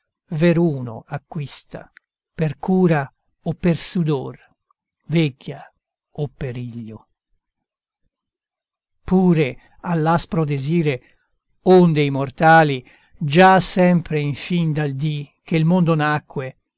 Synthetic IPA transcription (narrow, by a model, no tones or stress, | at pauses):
veɾuːno̰akːwist̪a̰ | perkuːɾa | opːersud̪or | vɛkːja | opːeɾiʎːo | puːɾe | alːaspɾod̪eziːɾe | ond̪eimort̪aːli | d͡ʒasɛmpɾeiɱfind̪ald̪ik̟elmond̪onakːwe